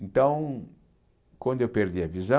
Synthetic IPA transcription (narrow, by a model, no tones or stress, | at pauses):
ẽnt̪ɐ̃w̃ | kwɐ̃nd̪ʊewpeɾd̪iɐvizɐ̃